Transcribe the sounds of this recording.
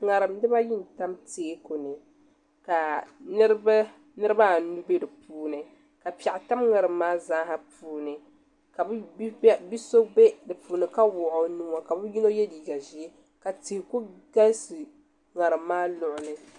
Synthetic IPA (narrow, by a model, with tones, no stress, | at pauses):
ŋa˨ɾɨ˨mdɨ˦ba˦ji˦n˨ta˦mte˨˦ko˨nɨ˨ | ka˨nɨ˦ɾb | nɨ˦ɾɨ˦ba˦˨nu˦be˦dɨ˨puː˦nɨ˨ | ka˨pɛ˨ʔta˦mŋa˨ɾɨ˨mːaː˦za˦ɦa˨puː˦nɨ˨ | ka˨bbi˦so˦be˦dɨ˨puː˨nɨ˨ka˦wʊ˨ʔo˨˦nu˦ma˨ka˨bɛ˦ji˦no˦jɛ˦diː˨ɡa˨ʒi˦ | ka˨ti˨hɪ˨ku˦ɡa˦sɨ˨ | ŋa˨ɾɨ˨mːaː˦lʊ˨ʔʊ˨nɨ˨